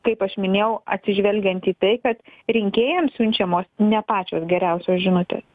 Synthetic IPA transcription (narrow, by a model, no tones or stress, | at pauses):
kɐɪpɐʃmʲɪnʲeːjɛʊɐt̪ʲsʲɪʒʲʋʲɛlʲɡʲɛnt̪iːt̪ɐɪkɐt̪ɾʲɪŋʲkʲeːjɛmssʲʊnʲt͡ʃʲɛmoːsnʲɛpɑːt͡ʃʲoːsɡʲɛɾʲɛʊsʲoːsʒʲɪnʊt̪ʲḛːs